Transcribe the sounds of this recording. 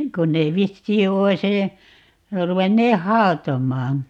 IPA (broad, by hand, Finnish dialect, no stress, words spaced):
kon neː ʋisːiː ois əː ruʋenːeːh̆ hɑotomˑɑːn